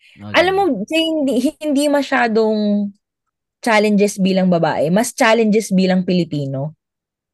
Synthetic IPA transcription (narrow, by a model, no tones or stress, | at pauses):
ʔɐlamːokɐhɪnd̪iɦɪnd̪imɐʃaːd̪oŋ | t͡ʃaːlɛnd͡ʒɛsbiːlɐŋbɐba̰ːʔɛmɐst͡ʃaːlɛnd͡ʒɛsbiːlɐŋpɪlɪpiːno̞